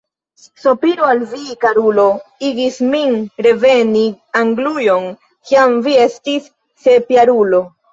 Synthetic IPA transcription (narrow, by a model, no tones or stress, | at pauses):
so̞piɾoalvikaɾulo̞iɡisminɾe̞veni | aŋɡlujo̞n | kiamvie̞stisː | e̞pjaɾulo̞